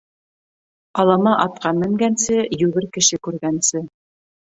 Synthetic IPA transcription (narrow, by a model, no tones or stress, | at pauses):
ɑlˠɑmɑʔɑt̪̚qɑnmɘ̆ŋɡænsɘjʉɡɘɾkɘ̆ʃɘkʉɾɡænsɘ